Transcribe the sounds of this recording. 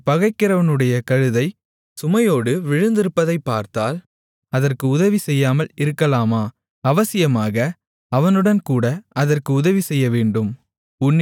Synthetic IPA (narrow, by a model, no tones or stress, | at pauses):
pɐɣɐɪkːɪɾɐʋɐnɯɽɐjɐkɐɻɯðɐɪ | sʊmɐjoːɽɯʋɪɻɯnd̪ɪɾɯpːɐðɐɪpːaːɾt̪aːl | ɐðɐrkɯʊðɐʋisɛjːaːmɐlɪɾɯkːɐlaːmaː | ɐʋɐsɪjɐmaːɣɐ | ɐʋɐnɯɽɐnkuːɽɐɐðɐrkɯʊðɐʋisɛjːɐʋeːɳɖɯm | ʊnː